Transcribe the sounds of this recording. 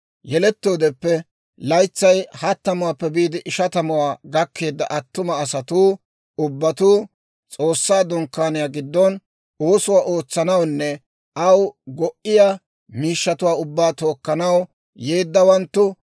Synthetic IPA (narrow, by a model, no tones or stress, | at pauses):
jɛlɛt̪ːo̞ːd̪ɛpːɛ | lɐjt͡sːɐjhɐt̪ːɐmʊwaːpːɛbiːd̪ɪʔɪʃɐt̪ɐmʊwaːɡɐkːe̞ːd̪ːɐ̰ʔɐt̪ːʊmɐːsɐt̪uː | ʊbːɐt̪uː | t͡sʼo̞ːsːaːd̪ʊŋkːaːnɪjaːɡɪd̪ːɔn | oːsʊwaːʔo̞ːt͡sːɐnɐwnːɛ | ʔɐwɡɔʔɪja | miːʃːɐt̪ʊwaːʊbːaːt̪o̞ːkːɐnɐw | jeːd̪ːɐwɐnt̪ːʊ